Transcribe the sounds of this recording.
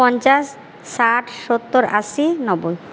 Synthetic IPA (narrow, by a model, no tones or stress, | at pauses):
ɔnt͡ɕasː | aʈʰʃot̪ːoɾaʃinɔboj